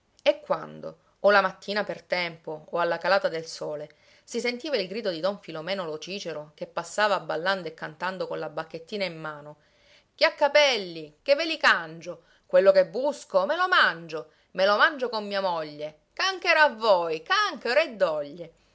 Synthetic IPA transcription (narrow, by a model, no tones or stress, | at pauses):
ekːwa̰nd̪o̰ː | lamat̪ːiːnapert̪ɛmpoːalːakalaːt̪ad̪elsoːle | sisent̪iːvailɡɾiːd̪od̪id̪ɔɱfilomɛːnolot͡ʃiːt͡ʃeɾokepːasːaːvaːbːalːand̪oekːant̪and̪okonlabakːet̪ːiːnaimːaːno | k̟eakːapɛlːikevːelikand͡ʒo | kwelːokebːuskomelomand͡ʒo | melomand͡ʒokomːiːamoʎːe | kaŋkeɾavːojkaŋkeɾed̪ːɔʎːe